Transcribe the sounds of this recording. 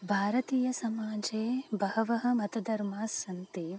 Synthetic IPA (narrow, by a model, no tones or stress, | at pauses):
bʱaːɾɐt̪iːjɐsɐmaːd͡ʒeːbɐɦɐʋɐɦɐ̆mɐt̪ɐd̪ɐɾmaːsɐnt̪i